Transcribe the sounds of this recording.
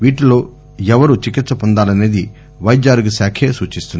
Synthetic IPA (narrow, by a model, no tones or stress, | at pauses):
ʋiːʈilo̞ː | ɛʋɐɾut͡ʃikit̪sɐpɔnd̪aːlɐne̞ːd̪i | ʋɐjd͡ʒaːɾɡusaːkʰeːsuːt͡ʃist̪unː